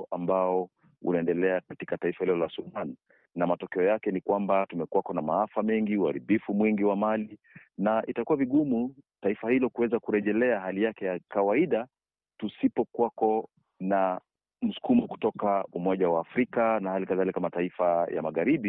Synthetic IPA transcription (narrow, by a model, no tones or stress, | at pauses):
ʔambaɔ | ṵnaɛndɛlɛakati̥kataifahilɔlasuman | namatɔkɛɔjakɛnikwambatumɛkwakɔnamaafamɛŋɡiuaɾiɓifumwiŋɡiwamali | naʔitakuwaviɠumutaifahilɔkuwɛzakuɾɛʄɛlɛaɦalijakɛjakawaiɗa | tusipɔkwakɔ | na | m̩su̥kumɔku̥tɔkaumɔʄawaːfɾikanahalikaðalikamataifaja̰maɣaɾiɓi